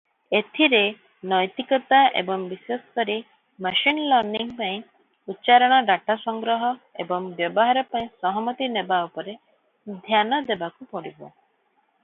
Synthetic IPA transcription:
et̪ʰiɾe | nɔjt̪ikɔt̪aʔḛbɔŋbiswesk̪ɔɾi | maʃinlɔɾniŋpaĩ | utːt͡ʃaɾɔɽ̃ɔɖaʈasɔŋɡɾɔɦɔebɔŋbjɔbɔɦaɾɔpaĩsɔɦɔmɔt̪inebaupɔɾe | d̪ʱjanɔd̪ebakupɔɽibɔ

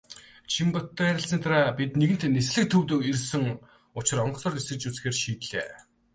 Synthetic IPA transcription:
t͡ɕʰimpɔt̪ːæɾʲɪ̆ɬsənt̪ʰaɾaːpit̪neɣɘ̆n̥t̪nesɮɘ̆k̚t̪ʰɵwt̪ɵ̆ːkirsɘ̆ŋ | ʊt͡ɕɪ̆rɔɴɢɞ̥̆sɔːresɘ̆kt͡ɕut͡sxeːrʃiːt̪ɮḛː

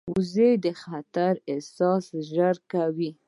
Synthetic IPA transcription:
uzed̪əxat̪aɾesɑsʒəɾkawi

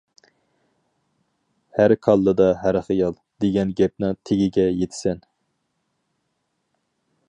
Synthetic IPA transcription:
hæɾkʰɑlˠːɨd̪ɑɦæɾχijɑlˠ | d̪eɡʲɛnɡʲɛp̚nɨŋt̪ʰeɡʲiɡʲɛjet̪ʰɪ̥sɛn

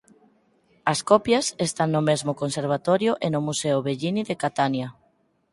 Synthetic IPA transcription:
ɐskɔpjɐsest̪aŋnʊmezmʊkonseɾβ̞at̪ɔɾjʊʔenʊmuseʊβeʎiniðekat̪anja

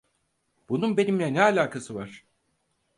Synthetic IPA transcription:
b̥ununbe̞nimlʲɛnɛalʲaːkʰasɯvaɾ̥

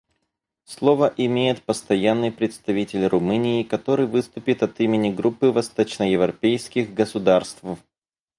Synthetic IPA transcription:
slˠo̞vəʔɪmʲejɪt̪pəst̪ɐjanːɨjpɾʲɪt̪st̪ɐvʲitʲɪlʲrʊmɨnʲɪːkɐt̪o̞ɾɨjvɨst̪ʊpʲɪt̪ɐt̪imʲɪnʲɪɡɾupːɨvɐst̪ot͡ɕnəjɪvɾɐpʲejskʲɪɣɡəsʊd̪arst̪v

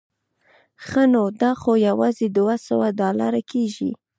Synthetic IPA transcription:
xənod̪ɑxojawɑzed̪wasə̰wadɑla̰ɾakeʒḭ

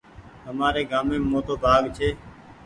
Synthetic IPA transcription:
ɦəmaːɾeːɡaːmeːmoːt̪oːbʱaːɡt͡ʃʰeː

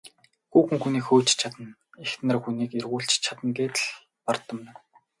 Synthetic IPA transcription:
xuːxɘ̆ŋxuniːkxoːt͡ɕt͡ɕʰat̪ə̆n | ext̪nə̆rxuniːkerɣuːɬt͡ɕt͡ɕʰat̪ə̆ŋɡeːt̪ɮ | pɔrt̪ə̆m̆ː

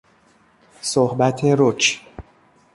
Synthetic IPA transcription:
sohbæt̪ʰeɾot͡ʃ

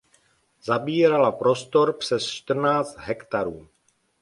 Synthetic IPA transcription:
zabiːɾalapɾo̞st̪o̞ɾpr̥ɛst͡ʃt̪r̩naːt͡st̪ɦɛkt̪aɾuː

